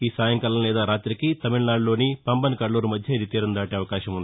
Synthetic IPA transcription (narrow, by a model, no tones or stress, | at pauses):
iːsaːjɐŋkɐlɐmlɛːd̪aːɾaːt̪ɾikit̪ɐmiɭnaːɖlo̞ːnipɐmbɐnkɐɽluːɾumɐd̪ʱjɐid̪it̪iːɾɐnd̪aːʈeɐʋɐkaːʃɐmund̪i